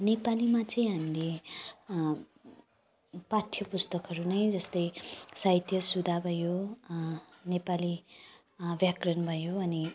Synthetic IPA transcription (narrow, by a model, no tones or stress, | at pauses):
nepalimat͡sʌĩɦamile | pat̪ʰjʌpust̪ʌkɦʌɾunʌjd͡zʌst̪ʌjsajt̪ʰjʌsud̪ʱabʱʌjo | nepali | bjakrʌnbʱʌjoʌni